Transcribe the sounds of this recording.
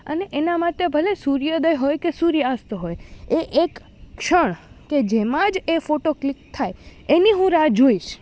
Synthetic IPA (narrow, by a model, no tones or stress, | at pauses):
ə̰neʔenamaʈebʱəlesuɾjəd̪əjɦojkesuɾjəast̪oɦojeʔekː | ʃəɳ̃ked͡ʒemãd͡ʒefoʈoklik̚t̪ʰːajeniɦũɾad͡ʒoiʃ